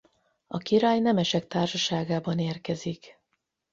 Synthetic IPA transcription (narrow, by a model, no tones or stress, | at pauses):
ɒkiɾaːjnɛmɛʃɛk̚t̪aːrʃɒʃaːɡaːbɒneːrkɛzik